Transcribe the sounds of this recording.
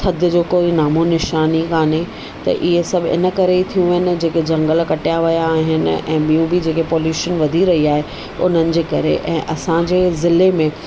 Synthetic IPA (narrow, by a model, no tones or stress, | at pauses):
t̪ʰɐd̪ʱjəd͡ʑoːkoːinaːmonɪʃaːnikaːne | t̪ɐ̰ʔɪɦesɐbʱɪ̰nə̆kɐɾeit̪ʰijũʋɐɦɪnɪ̆d͡ʑeːked͡ʑɐ̃ŋɡəlkɐʈijaʋɐjaːɦɪnɪ̰̆ʔɛ̃ːɓijũbʱɪd͡ʑeːkepoːljuːʃənʋɐd̪ʱiɾɐɦiaːɦe | ʊ̰n̤ənɪ̆d͡ʑeːkɐɾeʔɛ̰̃ːʔɐsãd͡ʑeːzɪlemẽ